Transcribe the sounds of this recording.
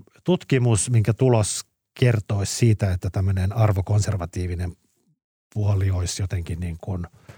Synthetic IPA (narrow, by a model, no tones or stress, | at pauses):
t̪ut̪kimusmiŋkæt̪ulos | kert̪oissiːt̪æet̪ːæt̪æmːønenɑrʋokonserʋɑt̪iːʋinem | puolioisjot̪eŋkinniːŋkun